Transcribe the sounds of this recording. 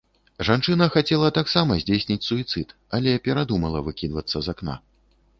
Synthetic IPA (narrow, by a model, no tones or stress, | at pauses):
ʐant͡ʂɨnɐxat͡sʲɛlˠɐt̪aksamɐzʲd͡zʲesʲnʲit͡sʲsuit̪sɨt̪ | ɐlʲɛpʲɛɾad̪umɐlˠɐvɨkʲid̪vɐt̪sːɐzakna̰